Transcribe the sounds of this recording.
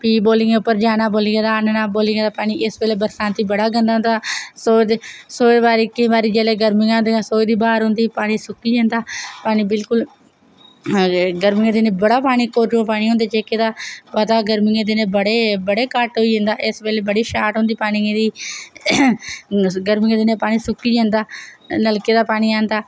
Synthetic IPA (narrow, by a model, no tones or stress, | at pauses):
piːboːlɪ̃ŋeːʊpːəɾd͡ʒaːnaːboːliːɡaːd̪aːnnaːboːliːɡaːd̪aːpaːɽ̃iːʔɪsbeːleːbəɾsãːnt̪iːbəɽaːɡə̃nd̪aːɦʊ̃nd̪aːsoːsoːeːbaːɾiːkɪ̃ːbaːɾiːd͡ʒeːleːɡəɾmɪŋãːd̪esoːiːd̪iːbaːɾɦʊ̃ːnd̪iːpaːɽ̃ĩːsʊkːiːɦẽːnd̪aːpaːɽ̃iːbɪlkʊl | ɡəɾmɪɡãːd̪enẽːbəɽaːpaːɽ̃iːkoːɾd͡ʒãːpaːɽ̃ĩːõːnd̪eːd͡ʒeːkeːd̪aːpəd̪aːɡəɾmɪŋãːd̪enẽːbəɽeːbəɽeːkəʈɦoːiːd͡ʒə̃nd̪aːʔɪsbeːleːbəɽiːʃaːʈɦõːnd̪iːpaːɽ̃iːd̪iː | ɡəɾmɪŋãːd̪enẽːpaːɽ̃iːsʊkːiːd͡ʒãːnd̪aːləlkeːd̪aːpaːɽ̃iːãːnd̪aː